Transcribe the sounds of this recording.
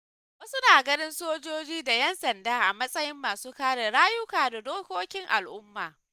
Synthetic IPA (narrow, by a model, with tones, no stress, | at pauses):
waː˦sʊ˦naː˨ɡɐ˦nɪ˦nsoː˦d͡ʒoː˦d͡ʒiː˦da˨jɐ˦nsɐ˨ndaː˦ʔa˨mɐ˦sʼɐ˦jɪ˦mːaː˨suː˦kaː˦ɽe˨ɽaː˦jʊ˦kaː˨da˨doː˦kʷoː˦kʲɪ˦ŋʔa̰˨lʔʊ˦mːaː˨